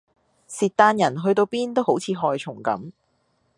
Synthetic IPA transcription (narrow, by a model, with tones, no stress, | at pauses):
siː˨t̚t̪aː˧njɐ˨˩nɦɵ˧ɥt̪o˧wpiː˥nt̪o˥wɦo˨˥wt͡sʰiː˨˧ɦɔː˧jt͡ʃʰʊ˨˩ŋkɐ̰˨˥m